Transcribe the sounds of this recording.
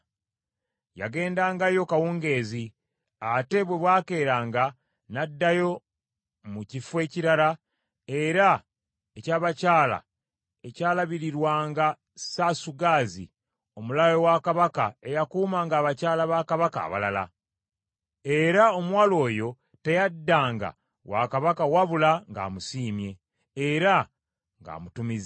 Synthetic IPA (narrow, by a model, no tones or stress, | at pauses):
ja̰ɡe̞ːndaːŋɡajo̞kawuːŋɡe̞ːzi | ate̞βwe̞βwaːke̞ːɾaːŋɡa | nadːajo̞ | mucifwe̞ːciɾala | e̞ɾa | ecaːβacaːla̰ | ecaːlaβiɾiɾwaːŋɡa | sasuɡaːzḭ | o̞mulajo̞wakaβakae̞jakuːmaŋɡaːβacaːlaβakaβaka̰ːβa̰la̰la̰ | e̞ɾao̞mwaːlo̞ːjo̞ | te̞jadːaːŋɡa̰ | wa̰kaβakawaβulaŋɡa̰ːmusiːmje̞ː | ɾa | ŋɡa̰ːmutumiz